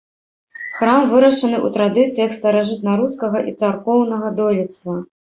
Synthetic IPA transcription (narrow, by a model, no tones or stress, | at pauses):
xɾamvɨɾɐʂɐnɨʔṵt̪ɾad̪ɨt̪sijɐkst̪ɐɾaʐɨt̪̚naɾuskɐɣɐʔit̪sarkɔwnɐɣɐd̪ɔlʲit̪st̪vɐ